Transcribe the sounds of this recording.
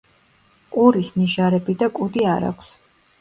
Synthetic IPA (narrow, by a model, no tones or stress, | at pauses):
kʼuɾisniʒaɾɛbid̪akʼud̪iaɾa̰kʷʰs